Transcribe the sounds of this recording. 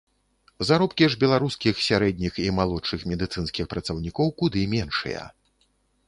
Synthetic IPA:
zaɾɔpkʲiʐbʲɛlˠaɾuskʲixsʲaɾɛd̪̚ʲnʲiximalˠɔt͡ʂːɨxmʲɛd̪ɨt̪sɨnskʲixpɾɐt̪sɐwnʲikɔwkud̪ɨmʲɛnʂɨ̰jɐ̰

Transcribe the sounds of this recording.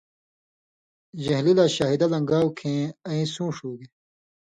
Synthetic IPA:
ʑɐɦlilaːɕaːɦid̪ɐlɐŋɡaːwkʰẽːɐĩsũːʂuːɡe

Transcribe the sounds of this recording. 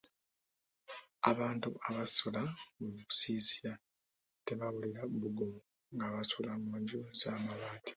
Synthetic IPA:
aβaːntṵʔaβasulauku̥siːsiɾa | teβaβuliɾabuɡumu | ŋɡaβasulamuːɲɟuzaːmaβaːti̥

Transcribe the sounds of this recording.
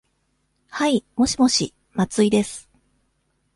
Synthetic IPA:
haimo̞ɕimo̞ɕi | mat͡sɨid̪e̞sɨ̥

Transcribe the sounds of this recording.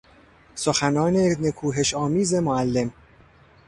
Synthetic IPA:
soxænɒːnenekʰuːɦeʃɒːmiːzemoælːem

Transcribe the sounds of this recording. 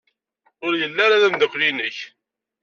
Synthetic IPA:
ʊɾjəlːaɾaðæmd̪əkʷːlinəç

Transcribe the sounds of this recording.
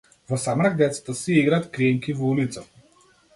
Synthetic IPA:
vɔsamɾaɡ̚d̪ɛt̪sḁt̪əsiiɡɾat̪kɾiɛŋkivɔulit̪sa

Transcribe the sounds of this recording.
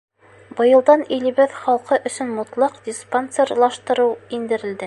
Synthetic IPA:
bɤ̆jɤ̆lˠd̪ɑnilɘ̆βɘðχɑlˠqɤʔɵ̆sɵ̆nmŭt̪lˠɑqd̪ʲisponserlˠɑʃt̪ɤ̆ɾɤwind̪ɘ̆ɾɘ̆ld̪ɘ

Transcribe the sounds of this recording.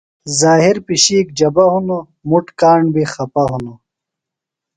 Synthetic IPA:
zaːɦiɾpiɕiːk̚d͡ʑɐbɐɦuno | muʈkaːɳɖbixɐpɐɦuno

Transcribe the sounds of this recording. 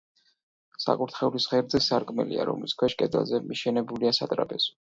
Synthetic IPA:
sa̰kʼuɾt̪ʰχɛulisχɛɾd̪zɛsaɾkʼmɛ̰lia̰ɾɔ̰mliskʰwɛʃkʼɛd̪ɛ̰lˠzɛmiʃɛnɛbuliasat̪ʼɾapʼɛz̥ɔ̥

